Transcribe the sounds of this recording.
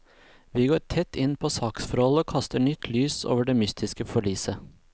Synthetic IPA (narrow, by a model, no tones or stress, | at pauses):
ʋiːɡoːɾʈʰɛt̪ːɪnpʰoːsɑːksfɔɾhɔloːkʰɑst̪əɳʏt̪ʰlyːso̰ːʋəɖeːmʏst̪ʰɪskəfɔɭyːsə